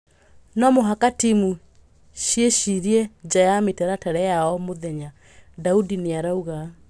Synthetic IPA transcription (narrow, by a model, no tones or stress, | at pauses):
nɔmoɦakatimu | ʃjeʃiɾiɛd͡ʒajametɛɾatɛɾɛjaɔmoðɛɲa | daudineaɾauɣa